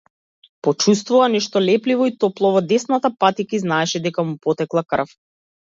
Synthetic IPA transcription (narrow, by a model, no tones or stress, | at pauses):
pɔt͡ʃus̬t̪vuvanɛʃt̪ɔlɛplivɔit̪ɔplˠɔvɔd̪ɛsnat̪apat̪ikiznaɛʃɛd̪ɛkamupɔt̪ɛklˠakr̩f